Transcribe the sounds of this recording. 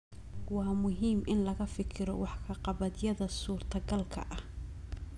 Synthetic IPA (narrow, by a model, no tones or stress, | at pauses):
wɑːmʊɦiːmʔɪnlɐɣɐfɪkʰɪɾɔ̰wɑħkʰɐqɑβɐd̪jɐðɐsuːrt̪ʰɐɡɐlkʰɐ̰ʔɐh